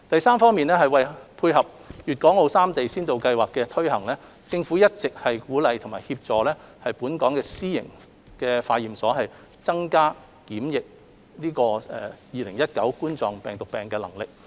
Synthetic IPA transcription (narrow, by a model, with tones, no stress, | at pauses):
t̪ɐ˨jsaː˥mfɔː˥ŋmiː˨nlɛː˥hɐ˨˩jwɐ˨jpʰuː˧jɦɐ˨p̚ | jyː˨t̚kɔː˨˥ŋo˨˧wsaː˥mt̪e˨jsiː˥nt̪o˨wkɐ˧jwaː˨kːɛː˧t̪ʰɵ˥ɥhɐ˨˩ŋlɛː˥ | t͡sɪ˧ŋfuː˨˥jɐ˥t̚t͡sɪ˨k̚hɐ˨jkuː˨˥lɐ˨jt̪ʰŋmaː˨jhiː˧p̚t͡sɔː˨lɛː˥hɐ˨jpuː˨˥nkɔː˨˥ŋkɛː˧siː˥jɪ̰˨˩ŋ | kɛː˧faː˧jiː˨msɔː˨˥ɦɐ˨j | t͡sɐ˥ŋkaː˥ | kiː˨˥mjɪ˨k̚ | liː˥kɔː˧ɛː˧˩jiː˨˩lɪ˨˩ŋjɐ˥t̚kɐ̰˨˥wkuː˥nt͡sɔː˨ŋpɛː˨˩ŋt̪ʊ˨k̚pɛː˨ŋkɛː˧lɐ̰˨˩ŋlɪ˨k̚